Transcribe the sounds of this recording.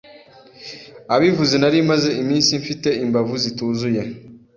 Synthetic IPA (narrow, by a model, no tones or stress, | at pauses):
aβivuzinaɾimazeʔimiːnsiɱfiteimbavuzituzuja